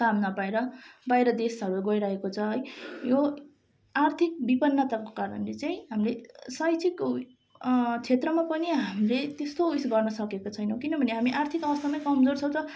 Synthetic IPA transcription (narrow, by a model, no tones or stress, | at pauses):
samnabajɾʌbajɾʌd̪esʌɾuɡʌjɾaɦekot͡sʰʌɦʌjjo | art̪ʰik̚bipʌnːʌt̪ako̥kaɾʌ̰nlet͡saĩɦamlesʌjt͡sʰik | t͡sʰet̪rʌmapʌniɦamlet̪est̪ouisɡʌrnʌsʌkekot͡sʰʌjnʌ̃w̃kinʌbʱʌneɦamiʔart̪ʰikʌwʌst̪ʰamaj̃kʌmd͡zort͡sʰʌw̃t̪ʌ